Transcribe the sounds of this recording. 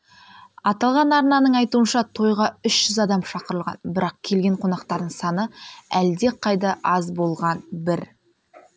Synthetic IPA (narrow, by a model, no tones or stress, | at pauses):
ɑt̪ɑlˠʁɑnɑɾnɑnəɴɑjt̪uənʃɑt̪ʰo̞jʁɑʏʃʒ̥ʏzɑd̪ɑmʃɑqəɾəlˠʁɑ̰nbɪɾɑq̚kʲʰe̞lɡʲe̞ɴqʰo̞nɑqt̪ɑɾd̪əɴsɑnəæld̪e̞qʰɑjd̪ɑʔɑzbo̞lˠʁɑnbɪɾ